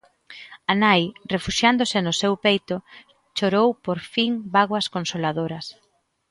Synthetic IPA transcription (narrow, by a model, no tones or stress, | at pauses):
ɐnajrefuʃjand̪ʊsɪnʊsewpejt̪ʊ | t͡ʃoɾowpoɾfiŋbaɣwɐskonsolaðoɾɐs